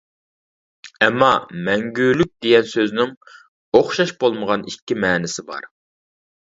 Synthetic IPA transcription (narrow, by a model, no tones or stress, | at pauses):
ɛmːɑmɛŋɡʲylyk̚ʲd̪̥ejʲɛnsøznɪŋ | oχʃɑʃbolˠməʁɑnikʲːimɛːnɪsɪbɑ̰ɾ